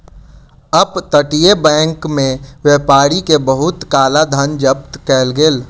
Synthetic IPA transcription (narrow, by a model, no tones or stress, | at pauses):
əbt̪əʈijebɛ̃ːŋkmẽwjeːpaːɾikebəɦʊt̪kaːlad̪ʱənd͡ʒəpt̪kɛːlɡeːl